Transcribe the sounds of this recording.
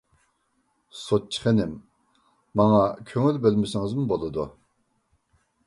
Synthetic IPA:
sot̪̚t͡ʃʰːi̥χenɪmː | ɑŋɑkʲʰøŋylbølmɪsɪŋɪzmubolˠɨd̪u

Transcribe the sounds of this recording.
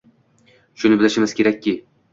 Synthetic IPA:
ʃʊnɪbɪlɪʃɪmɪz̥kʲe̞ɾakʲːi

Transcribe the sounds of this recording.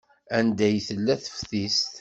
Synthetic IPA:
ænd̪æjθəlːæθə̥fθist̪

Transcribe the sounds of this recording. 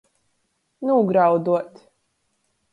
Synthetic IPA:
nuːɡɾawd̪uɔt̪

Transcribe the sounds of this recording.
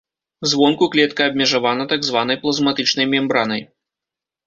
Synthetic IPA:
zvɔnkuklʲɛt̪kɐːbʲmʲɛʐavanɐt̪aɡzvan̪ɐjplˠɐzmat̪ɨt͡ʂnɐjmʲɛmbɾanɐj

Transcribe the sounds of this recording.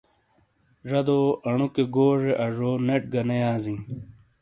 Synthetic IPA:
ʐɐd̪oːɐɳukeɡoːʐeʔɐʐoːneʈ̚ɡɐnejaːzĩŋ

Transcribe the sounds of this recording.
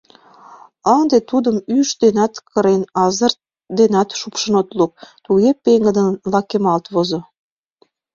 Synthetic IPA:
ənd̪et̪ud̪əmyʃd̪enɑt̪kəɾenɑzə̆r | d̪enɑt̪ʃupʃə̆not̪luk̚t̪uɣepeŋɡə̆d̪ənlɑkemɑlt̪βozo

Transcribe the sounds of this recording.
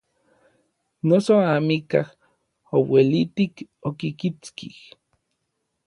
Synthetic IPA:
nosoamikah | owelit̪ikokikit͡skih

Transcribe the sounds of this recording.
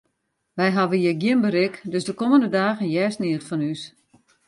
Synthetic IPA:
ʋɛjɦaʋəjəɡjɪnbəɾɪkdøsdəkoməndədaːɣənjɛːsniətfɔnys

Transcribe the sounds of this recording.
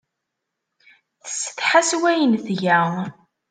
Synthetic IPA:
θə̥sːə̥θħaswæjənθʝæʁ

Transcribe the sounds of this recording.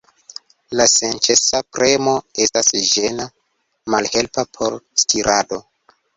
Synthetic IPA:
lase̞nt͡ʃesapɾe̞mo̞e̞stasʒena | malhe̞lpapʰo̞ɾstʰiɾʔado̞

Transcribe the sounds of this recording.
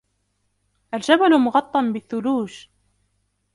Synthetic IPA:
ʔald͡ʒabalmʊɣɑt̪ˤːɑnbɪθːʊluːʃ

